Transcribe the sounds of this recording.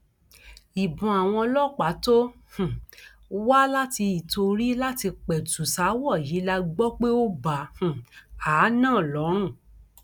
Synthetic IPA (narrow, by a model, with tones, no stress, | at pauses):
i˨bũ˨a˨w̃ɔ̃˧lɔ˦˨k͡pa˨˦to˦h̩˨ | wa˦la˦ti˧i˨to˧ɾi˦la˦ti˧k͡pɛ˨tu˨sa˨˦wɔ˦˨ji˨˦la˧ɡ͡bɔ˦k͡pe˦o˦ba˨h̩˨aː˨˦nãː˦˨lɔ˨˦ɾ̃ũ˦˨